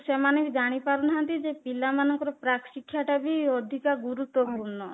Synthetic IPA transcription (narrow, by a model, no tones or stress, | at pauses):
semaned͡ʒaɽ̃ipaɾunɦant̪id͡ʒepilamanɔŋkɔɾɔpɾakʃikʰːjaʈabiod̪ʱikaɡuɾut̪ːɔpuɾɳɔ